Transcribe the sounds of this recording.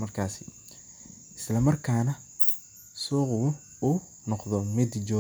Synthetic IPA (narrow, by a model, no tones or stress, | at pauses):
mɐrkʰaːsɪ | ɪslɐmɐrkʰaːnɐ | sɔːqʊʊ | uː | nɔqðɔmɪd̪d͡ʒɔː